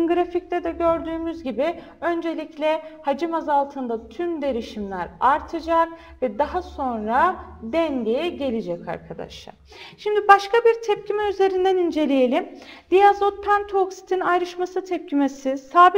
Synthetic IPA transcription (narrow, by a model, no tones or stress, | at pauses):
ɡɾafict̪ʲɛd̪ɛɟø̞ɾd̪yːmyzɟibi | ø̞nd͡ʒe̞lʲiclʲɛhad͡ʒɯmazalˠt̪ʰɯnd̪at̪ʰymd̪e̞ɾiʃimlʲæɾaɾt̪ʰɯd͡ʒak̚ | vɛd̪aɦaso̞nɾad̪ɛnɟʲejɛɟe̞lʲed͡ʒɛca̰ɾkʰad̪a̰ʃlˠa̰ɾ | ʃimd̪ibaʃkabiɾt̪ʰɛp̚cʰimɛyze̞ɾind̪ænind͡ʒe̞lʲije̞lʲim | d̪̥ijazot̪̚pʰænt̪ʰoksi̥t̪ʰinajɾɯʃmasɯt̪ʰɛp̚cʰime̞sisaːb